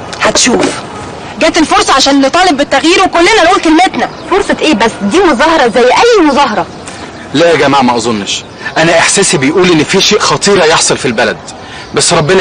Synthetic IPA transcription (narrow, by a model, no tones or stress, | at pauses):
hæt̪ʃuːf | ɡæːt̪elfoɾˤsˤɑʕaʃæːnnet̪ˤɑːlebbet̪ːæɣjiːɾwekolːenænʔuːlkelmet̪næfoɾˤsˤet̪ʔeːbæsːd̪iːmozɑːhɑɾˤɑzæjːʔæjːmozɑːɦɑɾˤɑ | læːɡæmaʕmæʔɑzˤonːʃ | ʔænæʔeħsæːsibejʔuːlʔenːfiːʃeːʔxɑt̪ˤiːɾjeħsˤɑlfilbælæd̪̚ | bæsːɾˤɑbːenæ